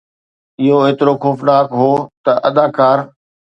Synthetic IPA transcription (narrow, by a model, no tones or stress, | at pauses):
ɪɦoeːt̪ɪɾoxoːfnaːkɦoːt̪ɐʔɐd̪aːkaːɾ